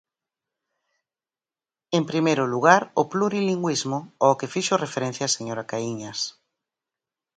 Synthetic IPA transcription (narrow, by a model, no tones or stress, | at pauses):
empɾimejɾʊluɣaɾʊpluɾiliŋɡwizmʊɔkefiʃʊrefeɾɛn̟θjaseɲoɾakaiɲɐs